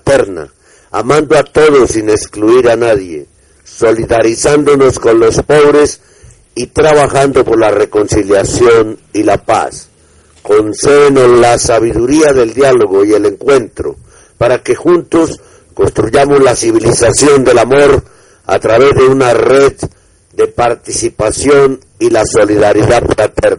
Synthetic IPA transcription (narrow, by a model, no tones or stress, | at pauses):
at̪e̞ɾna̰ | a̰mãnd̪oat̪o̞ðo̞sine̞kskluiɾanaðje̞̰ | so̞liðaɾisand̪o̞no̞sko̞nlo̞spo̞βɾe̞s | it̪ɾaβaxand̪o̞po̞ɾlare̞ko̞nsiljasjo̞nilapa̰s | ko̞nse̞βenolasaβiðuɾiaðe̞ld̪jalo̞ɣo̞ie̞le̞ŋkwe̞nt̪ɾo̞̰ | paɾake̞xunt̪o̞s | konst̪ɾuʝamo̞zlasiβ̞ilisasjo̞nd̪e̞lamo̞ɾ | a̰t̪ɾaβe̞zðe̞unare̞ð | d̪e̞paɾt̪isipasjo̞n | ilaso̞liðaɾiðaðfɾat̪eɾna